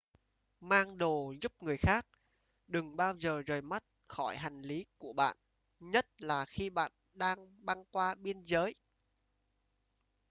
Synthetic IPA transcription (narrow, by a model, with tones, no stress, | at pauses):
maː˧ŋɗo˨˩zu˦˥p̚ŋɨ˨˩əjxaː˦˥k̚ | ɗɨ˨˩ŋɓaː˧wzəː˨˩zəː˨˩jma˦˥t̚xɔ˧˩jɦa˨˩jŋ̟li˨˦ku˧˩əɓa̰ː˧˨n | ɲə˦˥t̚laː˨˩xi˧ɓa̰ː˧˨n | ɗaː˧ŋɓa˧ŋkwaː˧ɓi˧ənzəː˨˦j